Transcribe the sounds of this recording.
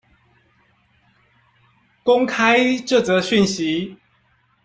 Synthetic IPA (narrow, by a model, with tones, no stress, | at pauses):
ko˦ŋkʰa˦ɪʈ͡ʂo˥˩t͡sə˨˧˦ɕy˥˨nɕi˨˦